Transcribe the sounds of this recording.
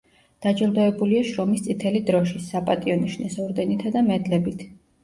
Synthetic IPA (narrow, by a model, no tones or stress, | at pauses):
d̪̥ad͡ʒɛlˠd̪ɔɛbuliaʃɾɔmist̪sʼit̪ʰɛlid̪ɾɔʃisapʼat̪ʼiɔniʃnɛsɔɾd̪ɛnit̪ʰad̪amɛd̪lɛbit̪ʰ